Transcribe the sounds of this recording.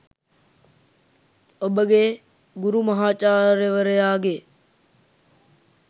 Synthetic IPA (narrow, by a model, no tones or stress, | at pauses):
əɓəɠeː | ɡʊɾuːməɦaːt͡ʃaːɾeʋəɾeaːɡeː